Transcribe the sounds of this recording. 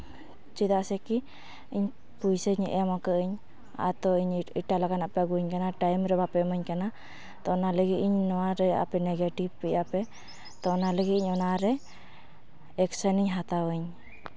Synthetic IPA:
t͡ʃid̪aʔsɛki | iɲ | pujsəɲʔɛmakəʔəɲ | a̰t̪ɔiɲiʈalaɡanapɛɡuɲkanaʈajmɾɛbapɛməɲkana | t̪ɔnaləɡiiɲnɔwaɾɛa̰pɛnɛɡeʈib̚pɛjapɛ | t̪ɔnaləɡiiɲɔnaɾɛ | ɛksɔniɲɦat̪awəɲ

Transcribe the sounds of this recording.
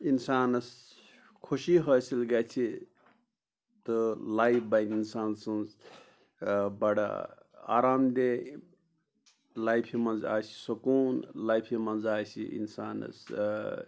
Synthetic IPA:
insaːnɐs | kʰuʃiɦɐːsilɡat͡ʃʰi | t̪ɨlaipbajninsaːnsunz | bɐɽa̰ | a̰ːɾaːmd̪e | lajpʰimɐnza̰ːsi̥sukuːnlajpʰimɐnzaːsḭḭnsaːnɐ̰s

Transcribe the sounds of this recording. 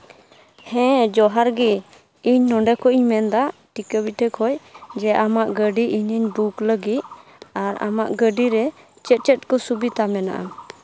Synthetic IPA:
hɛ̃d͡ʒɔɦaɾɡi | iɲnɔɳɖɛkɔʔiɲmɛnd̪aʈikəbiʈʰɛkʰɔjd͡ʒɛʔamaʔɡəɖiʔiɲəɲbukləɡit̪̚aɾa̰ma̰ʔɡəɖiɾɛ | t͡ʃɛt̪̚t͡ʃɛt̪̚kɔsubit̪amɛna̰ʔa̰

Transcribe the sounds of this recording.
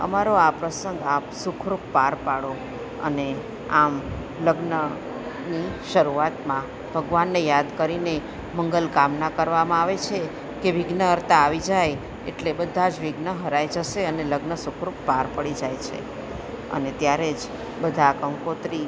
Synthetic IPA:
ə̰maɾoapɾəsəŋɡapsukʰɾuppaɾpaɽo | ə̰ne | am | ləɡnə | niʃəɾuat̪mã | b̥ʱəɡʋanːejad̪kəɾine | məŋɡəlkamnakəɾʋamãaʋet͡ʃʰe | keʋɪɡnəəɾt̪aːʋid͡ʒaj | ḛʈlebəd̪ʱad͡ʒʋɪɡnəɦəɾajd͡ʒəʃeəneləɡnəsukʰɾuppaɾpəɽid͡ʒajt͡ʃʰḛ | ə̰net̪jaɾed͡ʒ | bəd̪ʱakəŋkot̪ɾi

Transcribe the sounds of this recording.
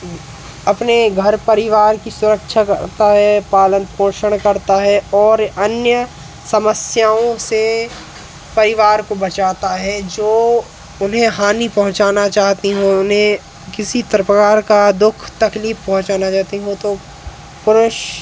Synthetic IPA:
ɐpneɡʱɐɾpəɾɪʋaːɾkisʊɾəkʃʰakə̰ɾt̪aɦɛpaːlənpõːʃəɽ̃kɐɾt̪aɦɛɔːɾɐnjə | sɐməsjaːõse | pɐɾɪʋaːɾkobɐt͡ʃaːt̪aɦɛd͡ʒoː | ʊnɦẽɦaːnipɐɦʊ̃t͡ʃaːnat͡ʃaːɦt̪iɦõʊnɦẽ | kɪsit̪əɾpəkaːɾkad̪ʊkʰt̪ɐkliːfpɐɦʊ̃t͡ʃaːnat͡ʃaːɦt̪iɦõt̪o | pʊɾʊʃ

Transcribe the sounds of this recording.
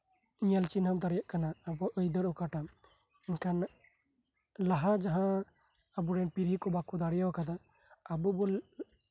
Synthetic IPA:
ɲijalt͡ʃinɦamt̪aɾɛjaʔkanaːbɔʔəjd̪əɾɔkaʈa | ɛnkan | laɦad͡ʒaɦã | əbuɾɛpiɾikɔbakud̪aɽɛjawakad̪a | abubɔ

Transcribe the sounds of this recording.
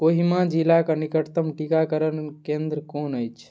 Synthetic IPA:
oɦimãd͡ʒilakənikəʈt̪əmʈikakəɾənkẽnd̪ɾəkonəjt͡ʃʰ

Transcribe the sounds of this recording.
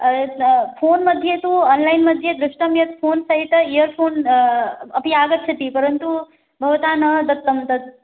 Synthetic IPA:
pʰoːnmɐd̪ʱjet̪uɔːnlɐjnmɐd̪ʱjed̪ɾuʂʈɐmjɐt̪pʰoːnsɐɦit̪ɐijɐɾpʰoːn | ɐpijaːɡɐt̪ːt͡ʃʰɐt̪ipɐɾɐnt̪u | bʱɐʋɐt̪aːnɐd̪ɐt̪ːɐmt̪ɐd̪

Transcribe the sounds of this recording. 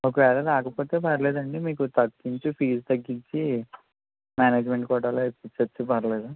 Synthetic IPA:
okɐʋɛːɾɐlaːkɐpo̞ːt̪e̞ːpɐɾɐle̞ːd̪ɐɳɖimiːkut̪ɐɡːiɲt͡ʃipiːst̪ɐɡːiɲt͡ʃi | maːneːd͡ʒme̞ɳʈkɔːʈaːloepːit͡ʃːɐt͡ʃːipɐɾɐleːd̪u

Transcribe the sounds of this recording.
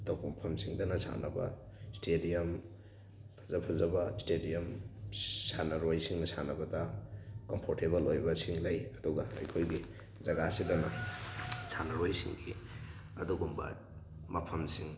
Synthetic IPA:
dow̚bɐmɐpʰɐmsiŋdɐnɐsʰa̰nɐ̰bɐ̰ | stedijɐm | pʰɐ̥zɐpʰɐzɐbɐstedijɐm | sanɐɾojsiŋnɐsʰanɐbɐdɐkompʰoɾteβɐlojbɐsiŋlɐjɐduɡɐɐ̰jkʰojɡi | zɐɡasidɐnɐ | sʰanɐɾojsḭŋɡḭ | ɐ̰duɡumbɐ̰ | mɐpʰɐmsiŋ

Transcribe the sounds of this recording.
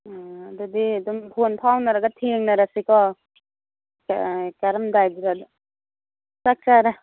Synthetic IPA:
adɔdidɔmbʰʱonpʰawnaɾaɡat̪ʰeŋnaɾasikɔ | kaɾɐmdajdiɾad | sak̚t͡ʃaɾa

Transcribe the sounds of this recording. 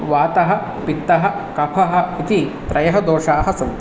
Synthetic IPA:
ʋaːt̪ɐɦɐ̆ | pit̪ːɐɦɐ̆kɐpʰɐɦɐ̆it̪i | pɾʔɐjɐɦɐd̪oːʃaːɦɐ̆sɐm

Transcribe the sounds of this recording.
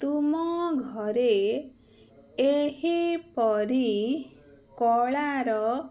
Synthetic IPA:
t̪umɔɡʱɔɾe | eɦipɔɾi | kɔɭaɾɔ

